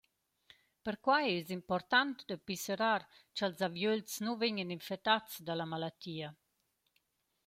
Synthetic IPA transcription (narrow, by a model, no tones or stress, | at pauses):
pəɾkwajɛzimpɔɾt̪ant̪d̪əpisəɾaɾt͡ʃalzavjølt͡snuveɲəninfɛt̪at͡sd̪alamalat̪iːa